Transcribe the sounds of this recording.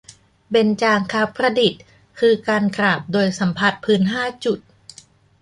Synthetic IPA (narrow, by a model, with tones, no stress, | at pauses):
be˧nt͡ɕaː˧ŋkʰaː˦˥wpʰɾa˧di˨˩t̪̚ | kʰɯː˧kaː˧nkɾaː˨˩p̚doː˧jsa˩˦mpʰa˧˩t̪̚pʰɯː˦˥nɦaː˥˩t͡ɕu˨˩t̪̚